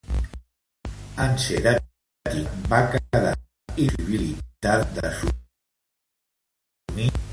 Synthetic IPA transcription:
anseɾa | t̪ibakaða̰ | iziβilit̪ad̪əsu | ni

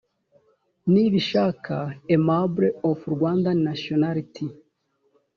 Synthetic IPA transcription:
niβiʃaːkʰaemabɾeofuɾɡwaːndanasjonaɾitʰi

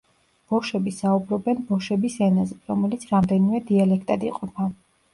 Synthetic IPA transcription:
b̥ɔwʃɛbisaubɾɔbɛnbɔʃɛbisɛnazɛɾɔmɛlit̪sʰɾamd̪ɛnimɛd̪ialɛkʰt̪ʼad̪ḭqʼɔpʰa

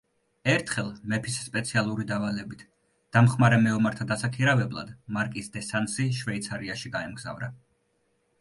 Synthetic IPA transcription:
ɛɾt̪ʰχɛlˠmɛpʰisːpʼɛt̪sʰialˠuɾid̪avalɛbit̪ʰ | d̪̥amχmaɾɛmɛɔmaɾt̪ʰad̪asakʰiɾavɛblˠa̰d̪maɾkʼisd̪ɛsansiʃvɛit̪sʰaɾiaʃiɡaɛmɡza̰vɾa̰

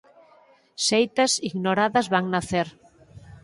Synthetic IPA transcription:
sejt̪asiɣnoɾaðɐzβaŋnaθeɾ

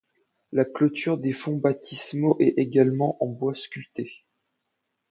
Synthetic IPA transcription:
laklɔt̪ʰyʁd̪efɔ̃bat̪ʰismɔʔɛeɡalmɑ̃ʔɑ̃bwaskʲyt̪e

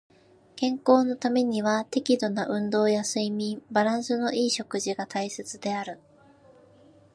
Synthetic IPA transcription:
kẽ̞ŋko̞ːno̞t̪ame̞ɲ̟iβat̪e̞kʲid̪o̞naʔɯ̟̃nd̪o̞ːjasɨimʲĩbaɾãɰ̃sɨno̞ʔiːɕo̞kɯ̟ʑiɡat̪aise̞t͡sɨd̪e̞aɾɯ̟

